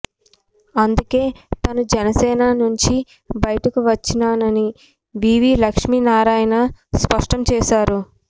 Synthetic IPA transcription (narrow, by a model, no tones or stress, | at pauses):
ɐnd̪uke̞ːt̪ɐnud͡ʒɛnɐsɛːnanuɲt͡ʃi | bɐjɐʈɐkuʋɐt͡ʃːinaːnɐni | ʋiːʋiːlɐkʂmiːnaːɾaːjɐnɐspɐʂʈɐmt͡ʃɛːʃaːɾu